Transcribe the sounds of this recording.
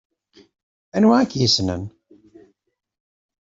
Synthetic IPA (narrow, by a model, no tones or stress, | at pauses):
ænwaʕækjisnə̰n